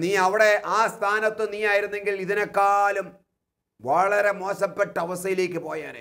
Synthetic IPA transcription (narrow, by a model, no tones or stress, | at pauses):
niːɐʋiɽe̞ʔaːst̪ʰaːnɐt̪ːɨniːaːjiɾunːe̞ŋɡiliðinekːaːlum | ʋɐɭɐɾe̞mo̞ːɕɐpːeʈːɐɐʋɐst̪ɐjile̞ːk̬ʲːɨpo̞ːjaːnɨ̰